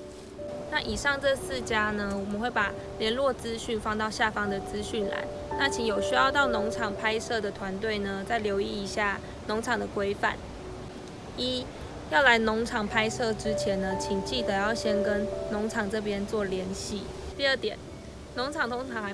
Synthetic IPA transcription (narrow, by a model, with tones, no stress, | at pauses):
na˥˨ʔi˨˩ʂɑ˥˧ŋʈ͡ʂɤ˥˧s̩˥˨t͡ɕja˥nə˨wɔ˨˩mə˦nxwe˥˩ɪpa˨˩ | ljɛ˧˥nlwɔ˥˨t͡sɹ̩˦˥ɕy˥˩nfɑ˥˧ŋt̪ɑ˥˧ʊɕja˥˨fɑ˥ŋd̪ə˨t͡sɹ̩˦ɕy˥˩nla̰˧˦ɪ | na˥˨t͡ɕʰi˨˥ŋjo˨˩ʊɕy˥jɑ˥˧ʊt̪ɑ˥˩ʊnoʊ˧˥ŋʈ͡ʂʰɑ˨˩ŋpʰa˥ɪʂɤ˥˩d̪ə˩t̪ʰwa˧˦nt̪we˥˩ɪnə˨t͡sa˥˩ɪljo˧˥ʊi˥˩i˧˥ɕja˥˩ | no˧˥ŋʈ͡ʂʰɑ˨˩ŋd̪ə˨˩kwe˥ɪfa̰˨˩n | i˦˥ | jɑ˥˩ʊla˧˦ɪnʊ˧˦˥ŋʈ͡ʂʰɑ˨˩ŋpʰa˥ɪsɤ˥˩ʈ͡ʂɻ̩˥˦t͡ɕʰjɛ˨˦nnə˧t͡ɕʰi˨˩ŋt͡ɕi˥˩t̪ə˩˦jɑ˥˩ʊɕjɛ˥nkə˦nno˧˥ŋʈ͡ʂʰɑ˨˩ŋʈ͡ʂɤ˥˩p̬jɛ˦nt͡swɔ˥˨ljɛ˧˥nɕi˥˩ | t̪i˥˧ə˥˩t̪jɛ˨˩n | nʊ˧˥ŋʈ͡ʂʰɑ˨˩ŋt̪ʰo˥ŋʈ͡ʂʰɑ˧˥ŋxa˧˥